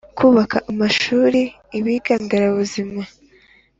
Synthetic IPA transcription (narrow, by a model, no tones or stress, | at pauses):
kʰuːβakʰaʔamaʃuːɾiː | βiːɡaːndaɾaβuzima